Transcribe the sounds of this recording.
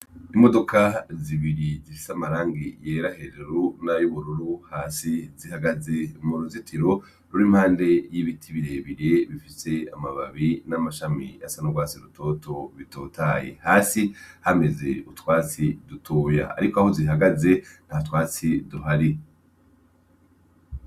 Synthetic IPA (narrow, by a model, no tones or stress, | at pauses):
imo̞do̞kʰaziβiɾizifi̥samaɾaːŋɡijeɾaheɾeɾunajuβuɾuɾuhaːsizihaɡaze̞muɾuzitʰiɾo̞ | ɾuɾimhaːnde̞jiβitʰiβiɾeβiɾe̞βifise̞a̰maβa̰βinamaʃamḭasanuɡwaːsiɾutʰo̞to̞βitoːtajḛhaːsihame̞ze̞̰utwaːt͡sidutʰoːja̰ːɾikoahoziɦaɡaze̞n̥haatwaːt͡siduɦaɾi